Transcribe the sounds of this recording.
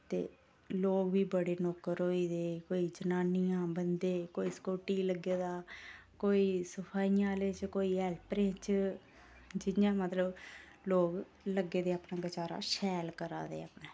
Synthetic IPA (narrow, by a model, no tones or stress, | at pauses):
t̪ḛː | loːɡʋiːbəɽeːnɔːkːəɾɦoːiːd̪eːkoːiːd͡ʒənaːniːãːbənd̪eːkoːiːskoːʈiːləɡːeːd̪aːkoːiːsəpʰaːiːjãːleːt͡ʃkoːiːɛːlpɾẽːt͡ʃ | d͡ʒɪjãːmət̪ləb | loːɡ | ləɡeːd̪eːaːpnãːɡət͡ʃaːɾa̰ːʃɛːlkəɾa̰ːd̪ḛːaːpnẽː